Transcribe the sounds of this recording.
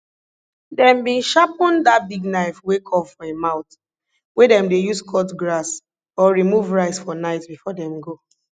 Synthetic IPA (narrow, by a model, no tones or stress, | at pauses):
dɛ̃mbĩʃapɔ̃ndatbiɡnaɪfwekʰɔpfɔ̃emãʊt | wɛdɛ̃mdejuskʰɔtɡɹas | ɔɹimuvɹaɪsfɔnaɪtbifɔdɛ̃mɡo